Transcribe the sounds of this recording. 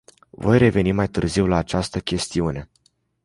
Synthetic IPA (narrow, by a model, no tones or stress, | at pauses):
vo̞̰jre̞ve̞nimajt̪ɨ̰rziwlaːt͡ʃast̪əkʲe̞st̪iune̞